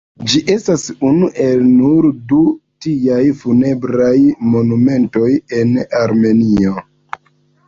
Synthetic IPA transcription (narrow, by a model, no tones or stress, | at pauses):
d͡ʒiʔe̞stasunuʔe̞lnuɾdutiajfune̞bɾajmo̞nume̞nto̞je̞naɾme̞nio̞